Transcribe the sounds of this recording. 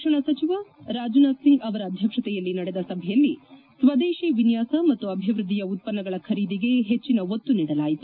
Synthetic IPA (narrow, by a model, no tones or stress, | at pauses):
ʂɐɳɐsɐt͡ʃiʋaɾaːd͡ʒunaːd̪siŋɡɐʋɐɾɐːd̪ʱjɐkʂɐt̪ɛjɐlːinɐɽed̪ɐsɐbʱɛjɐlːi | sʋɐd̪eːʃiʋinjaːsɐmɐt̪ːuɐbʱiʋɾɨd̪ijɐut̪̚pɐnːɐɡɐɭɐkʰɐɾiːd̪iɡe̞ɦet͡ʃːinɐɦot̪ːuniːɽɐlaːjit̪u